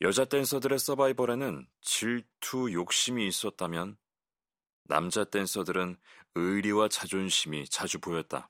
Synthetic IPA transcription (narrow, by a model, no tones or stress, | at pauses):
jʌd͡ʑat͈we̞nsʰʌdɯɾe̞s͈ʌbaibʌɾe̞nɯn | t͡ɕiɭtʰujok̚ɕ͈imiːs͈ʌt̚t͈amjʌn | a̰md͡ʑat͈e̞nsʰʌdɯɾɯnɯɾiwat͡ɕad͡ʑonɕʰimit͡ɕad͡ʑubojʌt̚t͈a̰